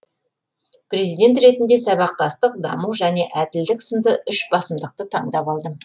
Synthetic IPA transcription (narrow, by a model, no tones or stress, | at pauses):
pre̞zijd̪ʲe̞nt̪ɾe̞t̪ɪnd̪e̞sɑβɑq̚t̪ɑst̪əq̚d̪ɑ̰məwʒæne̞ʔæd̪ɪld̪ɪksəmd̪əʔʏʃbɑsəmd̪əq̚t̪ət̪ʰɑɴd̪ɑpɑlˠd̪əm